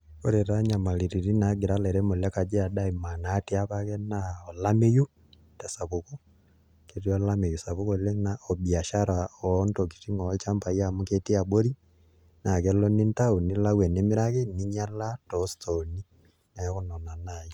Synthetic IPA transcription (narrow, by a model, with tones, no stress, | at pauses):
koɾe˨ɾa˦ɲa˨ma˨li˨ɾi˨ɾi˦na˨˦ɡe˨ɾa˦lɛ˨ɾɛ˦mo˨la˦ka˨d͡ʒɛ˦a˨da˦i˨ma˨naː˦tia˦βakɛ˦naɔ˨la˦me˦ju˦ | ta˨sa˨βoko | ke˨ɾiɔ˦la˦me˨jusa˨βukole˦naɔ˨βja˨ʃaɾa˨ɔ˦ntɔki̥ti˦ŋɔ˨˦t͡ʃa˦mpa˨iamuke˦tia˨bo˦ɾi | na˨kɛ˨lɔ˦ni˦nta˦o˨ni˦lawɛ˨ne˦mi˦ɾaɣeni˦ɲa˦la˦tɔstʰɔni | na˨˦ɣonɔ˨na˨naji